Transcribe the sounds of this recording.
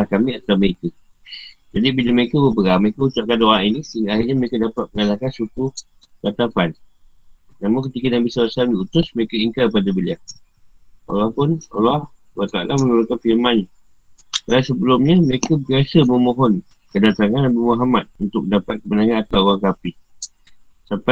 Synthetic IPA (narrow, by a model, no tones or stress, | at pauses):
ahkamiat̪awməekə | d͡ʒadibilaməekəbəpəɡaməɾekəut͡ʃaʔkandoʔaʔinisəiŋɡaaɦirɲaməɾekadapat̪̚məŋalahkansuku | kat̪afan | namʊŋkət̪ikənaʔbisawasaldiut̪ʊsməɾekəiŋkarpadabəlia | wa̰lahpʊna̰lah | alaht̪aa̰lʔamənulʊkanfilmana | kalasəbəlʊmɲəməɾekabiasəməmoɦɔn | kədat̪aŋanabimuɦamat̪̚unt̪ʊk̚dapat̪̚kəbənaŋanat̪awoaŋkapi | sampa